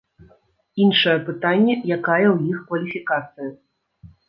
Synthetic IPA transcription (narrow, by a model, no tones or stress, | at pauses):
inʂɐjɛpɨt̪anʲːɛjakajɐwjixkvɐlʲifʲikat̪sɨjɐ